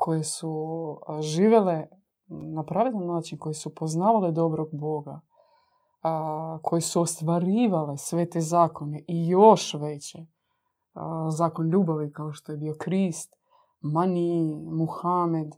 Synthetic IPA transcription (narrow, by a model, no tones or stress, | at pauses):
kʰo̞jesu | ʒiːʋele | napɾaʋed̪annːaːt͡ʃinko̞jesupo̞znaːʋaled̪o̞bɾoɡ̚bo̞ɡa | kʰo̞jesuost̪ʋaɾiːʋale̞sʋe̞t̪ezaːko̞ne̞ʔijoʃʋet͡ɕe | zaːko̞nʎuːbaʋikaoʃt̪o̞je̞bio̞kɾiːst̪ | manimuxame̞d̪